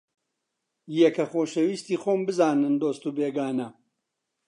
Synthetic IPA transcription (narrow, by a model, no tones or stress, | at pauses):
jɛkɐxoːʃɐwiːst̪iːxoːmbɨzaːnɨnd̪oːst̪uːbeːɡaːnɐ